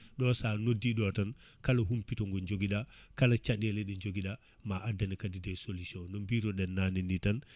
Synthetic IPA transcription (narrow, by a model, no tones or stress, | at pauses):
ɗɔsaːnodːiɗɔtan | kalaɦumpitɔŋɡɔɲd͡ʒoɡiɗakalat͡ʃaɗɛlɛɗiɲd͡ʒoɡiɗa | maʔadanikadidɛsolusiɔ̃nɔmbiɾɔɗɛnːaninitan